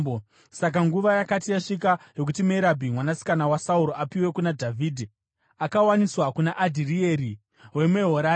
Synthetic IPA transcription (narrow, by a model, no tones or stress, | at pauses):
o | sak̬aŋɡuʋajakatijaʂikajo̞k̬utimeɾabʱimwanasi̥kanawasauɾoʔapiwe̞kunadʱavʱiːdʱi | akawaniswakunaʔːdʱirieɾi | we̞meɦoɾa